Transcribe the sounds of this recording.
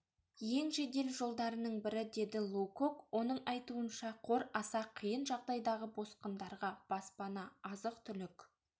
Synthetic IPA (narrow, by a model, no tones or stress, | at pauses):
je̞ŋʒe̞d̪e̞lʒo̞lˠd̪ɑɾənəɴbɪɾɪd̪e̞d̪ɪlˠuko̞kwo̞nəɴɑjt̪uənʃɑqʰo̞ɾɑsɑqʰijənʒɑʁd̪ɑjd̪ɑʁəbo̞sqənd̪ɑɾʁɑb̥ɑspɑnɑɑzəq̚t̪ʰʏlʏk